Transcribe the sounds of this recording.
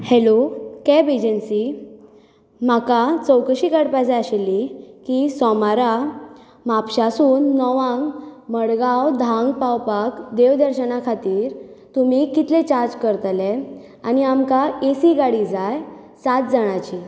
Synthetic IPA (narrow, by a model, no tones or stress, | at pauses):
helokɛbed͡ʑənsi | makat͡səwkəɕiːkaɽpajd͡zaaɕelːikiːsɔmaɾa | mapɕasuːnːɔʋãŋɡməɽɡawd̪ʱãŋɡpawpakd̪eʋd̪əɾɕənakʰat̪iːɾt̪um̤ikit̪let͡ɕaɾd͡ʑkəɾt̪le | aniamkaesiɡaɽid͡zajsat̪̚d͡zaɽ̃at͡ɕi